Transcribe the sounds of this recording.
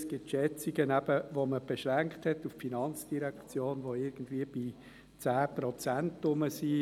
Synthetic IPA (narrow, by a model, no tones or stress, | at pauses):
sɡ̥ɪtʃɛt͡siɡənæb̥əvoməb̥eʃʁæŋkthɛtuffinɑnt͡sd̥iɾɛkt͡sjoːnʋoɪɾɡ̥n̩d̥viːb̥i | t͡sæːprɔt͡sæntʊməsiː